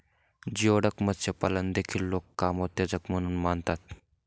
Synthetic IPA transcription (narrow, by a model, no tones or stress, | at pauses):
d͡ʑioːɽəkmɐt̪sepɐlənd̪eːkʰilːoːkːaːmoːt̪ed͡zəkmɐnunmaːnt̪aːt̪̚